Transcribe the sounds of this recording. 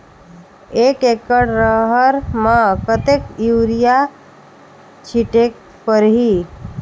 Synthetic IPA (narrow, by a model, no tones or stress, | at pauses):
ekekəɽɾəɦəɾmãkət̪ekiwɾija | t͡ʃʰiʈek̚ | pəɾɦi